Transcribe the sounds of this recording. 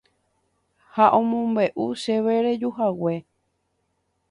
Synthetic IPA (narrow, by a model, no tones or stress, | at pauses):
haʔõmõmbe̞ʔuʃe̞ʋeɾed͡ʒuɦawe̞